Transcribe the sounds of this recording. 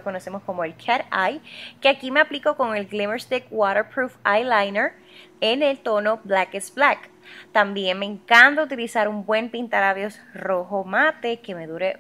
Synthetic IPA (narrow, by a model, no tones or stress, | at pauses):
ko̞no̞se̞mo̞sko̞moelkʰaɾajke̞akime̞aplikoko̞ŋe̞lɡlimeɾst̪ek̚waɾeɾpɾufajlajneɾ | enelt̪o̞no̞blakesblak | t̪ambje̞ŋmeŋkant̪out̪̬ilisaɾumbwe̞mpint̪aɾaβjo̞sro̞ɦomat̪e̞ke̞me̞ðuɾe